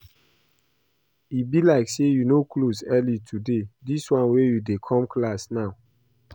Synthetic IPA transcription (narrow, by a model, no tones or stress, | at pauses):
ibilaɪksejunokʰlosɛlitʰudediswãnwejudekʰɔ̃mkʰlasnaʊ